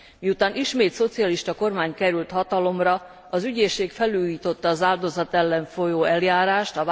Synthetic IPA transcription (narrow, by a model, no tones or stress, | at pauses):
miut̪aːnʔiʃmeːt̪so̞t̪sijɒliʃt̪ɒko̞rmaːɲkɛɾylt̪hɒt̪ɒlo̞mrɒ | ɒzyɟeːʃːeːkfɛluːjit̪o̞t̪ːɒːzaːld̪o̞zɒt̪ɛlːɛɱfo̞joːɛljaːɾaːʃt̪ɒv